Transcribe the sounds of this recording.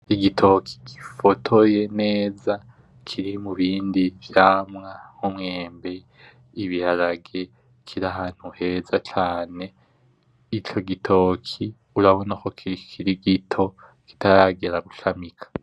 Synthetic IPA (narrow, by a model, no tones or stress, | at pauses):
iɡitʰo̞kʰi̥ɡifotʰo̞je̞ne̞ːza | kʰiɾimuβiːndivjaːmŋahomŋeːmbe̞ | iβihaɾaɡe | kʰiɾaɦaːn̥huhe̞zat͡ʃaːne̞ | it͡ʃo̞ɡitʰo̞ːkʰi | uɾaβo̞nako̞kikʰiɾiɡitʰo̞ | ki̥tʰaɾaɡe̞ɾaɡuʃamikʰḁ